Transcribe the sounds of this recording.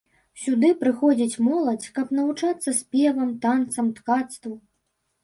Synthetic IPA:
sʲud̪ɨpɾɨxɔd͡zʲit͡sʲmɔlˠɐt͡sʲkɐpnɐvut͡ʂat̪sːɐsʲpʲɛvɐmt̪ant̪sɐmt̪kat̪st̪vɐ

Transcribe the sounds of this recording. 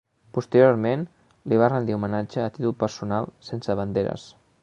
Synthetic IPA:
pust̪əɾjoɾmen | liβ̞arənd̪iumənad͡ʒəːt̪it̪ulˠpəɾsunalˠsensəβənd̪eɾə̰s

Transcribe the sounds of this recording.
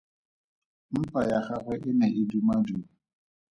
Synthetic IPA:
m̩pajaχaχwɛʔɪnɛʔɪdumadu

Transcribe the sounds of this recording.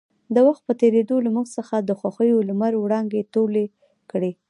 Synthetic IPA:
d̪əwaxt̪̚pət̪eɾed̪olamuɡsəxad̪əxwaxəjolmaɾwɽɑŋɡet̪ole | kɽe

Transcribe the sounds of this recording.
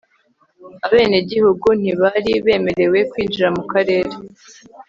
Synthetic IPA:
aβe̞ːne̞ɟihuɡun̥iβaɾiβe̞ːme̞ɾe̞we̞kwiːd͡ʒiɾamukaɾe̞ːɾe

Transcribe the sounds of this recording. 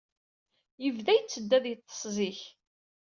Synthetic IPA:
jəvðæjt͡sːəd̪ːæðjət̪ˤːə̥sˤziç

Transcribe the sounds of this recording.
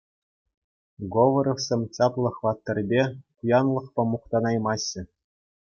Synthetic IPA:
ɡoʋɤ̆ɾofsʲemʲt͡ɕɑplˠɤ̆χʋɑt̪ːɤ̆rʲbʲeχujɑnlˠɤ̆χpɑmuχt̪ɑnɑjmɑɕːɘ̆

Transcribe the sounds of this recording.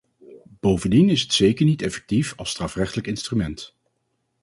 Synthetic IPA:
b̥owvəndinɪsɦətsejkəɹnitɛfɛ̥k̚tifɑlˠstraːfrɛχtələkɪnstrymɛnt

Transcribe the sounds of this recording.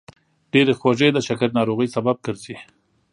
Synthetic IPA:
ɖ̥eɾexwaʒed̪əʃakəɾnɑɾoɣəjsabab̚kəɾzi

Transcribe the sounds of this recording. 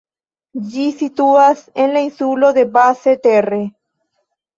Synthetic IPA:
ʎisit̪uasenlainsuloðebaset̪ere

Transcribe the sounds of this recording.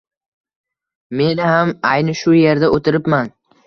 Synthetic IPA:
me̞nɪhamajnɪʃʊje̞ɾd̪aʔot̪ʰɪɾɪpman

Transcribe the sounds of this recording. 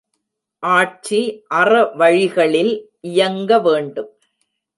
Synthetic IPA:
ʔaːʈ̚t͡ʃiʔɐrɐʋɐɻɪɣɐɭɪlʔɪjɐŋɡɐʋeːɳɖɯm

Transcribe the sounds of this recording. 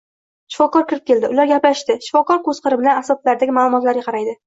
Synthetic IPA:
ʃɪ̥fɒkɒɾkʲʰɪɾɪp̚kʲʰe̞ld̪ɪʊlaɾɡʲaplaʃt̪ɪʃɪ̥fɒkɒɾkozqʰɨɾɪbɪlanasɒlaɾd̪aɡʲɪmaːlˠʊmɒt̪laɾɡʲaqʰɑɾajd̪ɪ

